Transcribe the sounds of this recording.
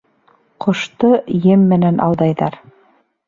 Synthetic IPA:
qŏʃt̪ɤjɘmːɘ̆nænʔɑ̰wðɑjðɑɾ

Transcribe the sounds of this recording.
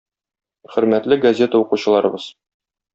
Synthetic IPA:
χɵ̆ɾmæt̪lɘɡɐzʲe̞t̪əuquɕɤ̆lˠɑɾɤ̆bɤz̥

